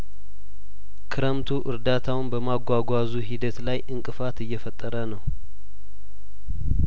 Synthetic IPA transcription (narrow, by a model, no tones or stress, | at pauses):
kʰɨɾəmt̪ʰuʔɨɾd̪at̪ʰawɨnbəmaɡʷaɡʷazuɦid̪ət̪lajʔɨŋkʼɨfat̪ɨjːɛfət̪ʼːəɾənəw